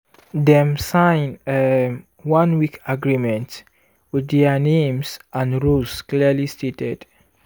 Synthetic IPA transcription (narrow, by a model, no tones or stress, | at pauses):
dɛ̃msãɪ̃nɛ | wãnwikaɡɹimɛ̃nt | widɛanẽmsãnɹuskliəlistetɛd̥